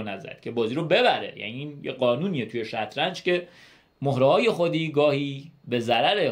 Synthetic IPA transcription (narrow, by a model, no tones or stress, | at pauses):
næzæ̰d̪̥̚cʰe̞bɒːziːɾobe̞bæɾḛjæ̰niiːnjeɢɒːnuːniːet̪ʰuːje̞ʃæt̪ʰɾænd͡ʒcʰe̞ | mohɾɛhɒːje̞xod̪iːɡɒːhiːbe̞zæɾæɾe